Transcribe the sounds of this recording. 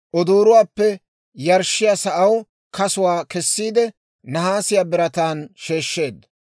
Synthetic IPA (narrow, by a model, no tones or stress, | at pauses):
ʔɔd̪uːɾʊwaːpːɛ | jɐɾʃːɪjasɐʔɐw | kɐsʊwaːkɛsːiːd̪ɛ | nɐɦaːsɪjaːbɪɾɐt̪aːnʃe̞ːʃːe̞ːd̪ːɐ